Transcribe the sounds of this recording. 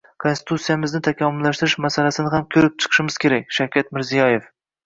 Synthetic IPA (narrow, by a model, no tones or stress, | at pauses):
kʰonsɪt̪ʰut̪sijamɪznɪt̪ʰakʲʰamʊlːaʃt̪ɪɾɪʃmasalasɪnɪhamkʲʰɵɾɪp̚t͡ʃʰɨ̥qʰɨ̥ʃɪmɪz̥kʲʰe̞ɾak̚ʲʃawkʲʰat̪mɪɾzijɒje̞f